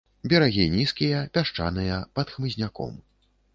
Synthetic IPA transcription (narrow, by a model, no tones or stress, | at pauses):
bʲɛɾaɣʲinʲiskʲijɐpʲaʂt͡ʂa̰nɨjɐpɐt̪xmɨzʲnʲakɔ̰m